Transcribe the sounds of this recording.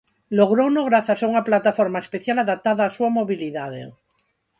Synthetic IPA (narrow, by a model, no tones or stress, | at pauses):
loɣ̞ɾonoɣ̞ɾaθasauŋaplat̪afoɾmaespeθjalaðap̚t̪aðaːsuamoβiliðaðḛ